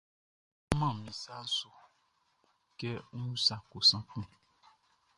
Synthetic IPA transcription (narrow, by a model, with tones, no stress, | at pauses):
mã˦˨mĩ˨sa˦so˨ | kɛ˦ũ˦sã˨ko˨sã˦k͡pũ˦˨